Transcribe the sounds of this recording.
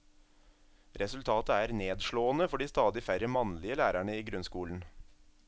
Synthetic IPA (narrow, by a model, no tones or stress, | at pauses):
ɾɛsʉlt̪ʰɑːt̪əæːɾneːd̪ʃɭoːənəfɔɖiːst̪ɑːd̪ɪfæɾəmɑnlɪəlæːɾæɳəiːɡɾʉnskuːln̩